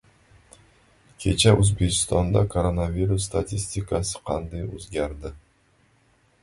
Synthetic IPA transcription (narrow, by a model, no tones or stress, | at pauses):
kʲʰe̞t͡ʃʰæʔɵzbe̞kʲʰɪ̥st̪ɒnd̪ɑkʰoɾonavʲiɾus̬ːt̪at̪ʰʲisʲt̪ʲikasɪ̥qʰɑnd̪ɑjɵ̰zɡʲaɾd̪ɪ